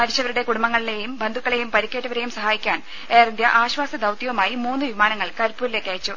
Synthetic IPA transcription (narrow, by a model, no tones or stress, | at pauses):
mɐɾiɕɐʋɐɾuɽe̞kuɽumbɐŋːɐɭile̞jumbɐnd̪ʱukːɐɭe̞jumpɐɾikʲːeʈːɐʋɐɾe̞jumsɐɦaːjikʲːaːn | eːrind̪jɐʔaːɕʋaːsɐd̪ɐwt̪jɐʋɐmaːjimuːnːɨʋimaːnɐŋːɐɭkɐɾpːuːɾile̞ːkːaːjit͡ɕːu